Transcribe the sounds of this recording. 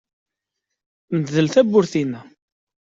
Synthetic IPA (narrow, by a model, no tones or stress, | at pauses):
məd̪ðəlθæbːʊɾθinæ